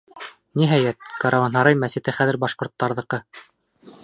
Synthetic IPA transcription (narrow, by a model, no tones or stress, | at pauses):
niɦæjæt̪̚kɑɾɑvɑnɦɑɾɑjmæsɘ̆t̪ɘχæðɘ̆ɾbɑʃqŏɾt̪ːɑɾðɤ̆qɤ